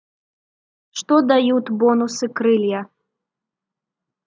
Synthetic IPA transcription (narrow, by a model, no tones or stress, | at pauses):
ʂt̪ɔd̪ajut̪bɔnusɨkɾɨlʲja